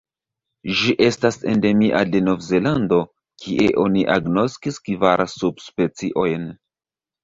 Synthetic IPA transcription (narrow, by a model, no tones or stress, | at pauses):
ʒiʔe̞stase̞̰nde̞miʔade̞no̞vze̞lando̞ | kʰiʔe̞ʔo̞niʔaɡno̞skiskvaɾsub̚spe̞t͡siʔo̞jn